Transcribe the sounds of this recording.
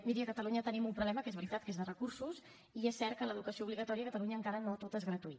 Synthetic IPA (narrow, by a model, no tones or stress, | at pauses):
miɾiəkət̪əluɲət̪ənimumpɾuβlɛməkezβəɾit̪at̪̚kezðərəkursus | iesːɛɾt̪̚kələð̞ukəsiouβliɣət̪ɔɾiəkət̪əluɲəːŋkaɾənot̪ot̪ezɣɾət̪uit̪